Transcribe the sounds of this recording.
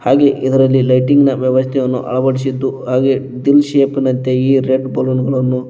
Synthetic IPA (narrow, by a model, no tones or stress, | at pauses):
haːɡe̞ʔid̪ɐɾɐlːilɐjʈiŋɡnɐʋjɛʋɐst̪ʰɛjɐnːṵʔɐ̰ɭɐbɐɽisid̪ːuɦaːɡe̞ | ɖilʃeːpinɐnt̪eiːɾeʈbɐlunɡɐɭɐnːu